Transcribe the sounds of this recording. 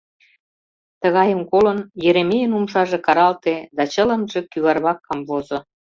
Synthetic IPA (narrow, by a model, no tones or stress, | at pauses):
t̪ə̆ɣɑjəmkolənjeɾemejənumʃɑʒekɑɾɑlt̪ed̪ɑt͡ɕə̆lə̆mʒĕkyβɑrβɑkːɑmβozo